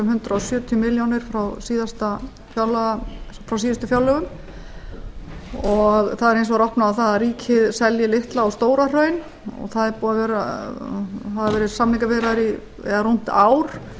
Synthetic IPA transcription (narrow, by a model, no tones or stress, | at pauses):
ɛmɦʏnt̪ɾaɔsjœːt̪ʰjʏmɪljownɪɾ̥fɾawsiːðast̪a | fjawlːœfɾawsiːðast̪ʏfjawlœɣʏm | ɔɣθaðɛɾejns̬ɔɣɾɔhpnaawθaðaɾiːcʰɪðsɛljɪlɪht̪laawst̪oːwɾar̥œːɥn | ɔ̰ɣθaðɛɾpɔːðavɛɾa | haðavɛːɾɪ̥samniŋkavɛɾaɾi | ɛ̰ðarun̥t̪aːwɾ̥